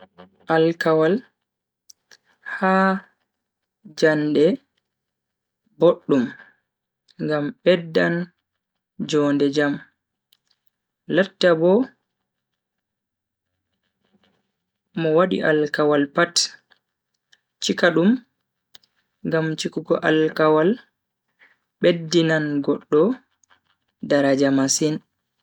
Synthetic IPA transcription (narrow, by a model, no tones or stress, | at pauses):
ʔalkawal | ha | d͡ʒandɛ | boɗːum | ŋɡamɓɛdːan | d͡ʒɔndɛd͡ʒam | latːabɔ | mɔwaɗḭʔalkawalpat | t͡ʃikaɗum | ŋɡamt͡ʃikuɡɔʔalkawal | ɓedːinanɡɔɗːɔ | daɾad͡ʒamasin